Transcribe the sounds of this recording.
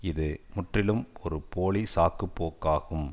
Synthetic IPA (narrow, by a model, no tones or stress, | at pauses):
ɪðɯmʊʈrɪlɯmɔɾɯpoːɭisaːkɯpːoːkːaːɣɯm